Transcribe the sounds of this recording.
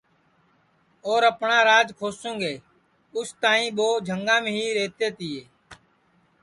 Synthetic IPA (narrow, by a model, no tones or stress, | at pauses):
oːɾəpɳãːɾaːd͡ʒkʰoːsõːŋɡeː | ʊst̪ãːĩːɓoːd͡ʒʱəŋɡãːmẽːɦiːɾeːt̪eːt̪ɪːeː